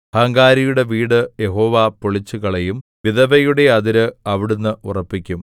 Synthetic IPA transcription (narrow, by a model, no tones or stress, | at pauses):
hɐŋɡaːɾijuɽe̞ʋiːɽɨje̞ɦo̞ːʋapoɭit͡ɕːuɣɐɭejumʋiðɐʋɐjuɽe̞ɐðiɾɨɐʋiɽunːɨurɐpːikʲːum